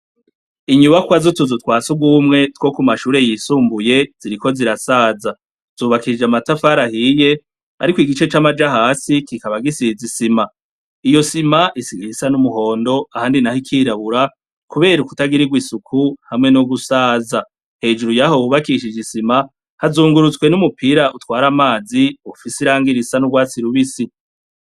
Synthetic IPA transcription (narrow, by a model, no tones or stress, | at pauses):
iɲuβakwazotuzutwaːt͡suɡwumŋe̞two̞kumaʃuːɾe̞jisuːmbuje̞z̥iɾiko̞ziɾasaːza | z̥uːβakiid͡ʒamatafaːɾahije̞ | a̰ɾikwiɡit͡ʃe̞t͡ʃamad͡ʒahaːsikikaβaɡisizisima | ijo̞simaʔisiɡiisanumuho̞ːndo̞ahaːndinahikʰiːɾaβuɾa | kuβe̞ːɾuku̥taɡiɾiɡwisukʰuhamŋe̞noɡusaːza | he̞ːd͡ʒuɾujahowuβakiʃid͡ʒisima | hazuːŋɡuɾut͡swe̞numupʰiɾaʔutwaːɾamaːziufisiɾaːŋɡiɾisanuɡwaːt͡siɾuβisi